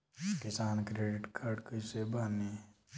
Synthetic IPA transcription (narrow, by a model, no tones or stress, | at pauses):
kɪsaːnkɾeːɖɪʈkʰaɾɖkɪsebaːne